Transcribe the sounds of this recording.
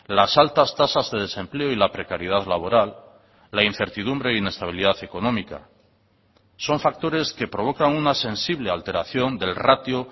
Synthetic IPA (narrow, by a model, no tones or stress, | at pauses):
lasalt̪ast̪asazðe̞ðe̞se̞mple̞oilapɾe̞kaɾjeð̞aðlaβ̞o̞ɾalː | ain̟θe̞ɾt̪iðumbɾe̞ine̞st̪aβ̞iliðaθe̞ko̞no̞mika̰ | so̞ɱfak̚t̪o̞ɾe̞ske̞pɾo̞βo̞kaŋunase̞nsiβle̞alt̪e̞ɾaθjo̞nd̪e̞lrat̪jo